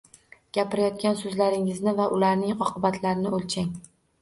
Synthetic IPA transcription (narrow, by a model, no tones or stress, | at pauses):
ɡ̥ʲapɪɾajɒt̪̚kʲansɵzlaɾɪŋɪznɪvaʔʊlaɾnɪŋɒqʰɨbat̪ʰlaɾɪnɪolt͡ʃʰaŋ